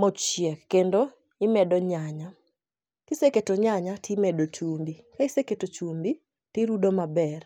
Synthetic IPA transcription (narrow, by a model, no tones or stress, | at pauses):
mɔt͡ʃjɛkkːendo | ɪmɛdɔɲaɲa | tɪseketoɲaɲatʰɪmɛdot͡ʃumbikaɪseketot͡ʃumbi | tɪɾudomabɛr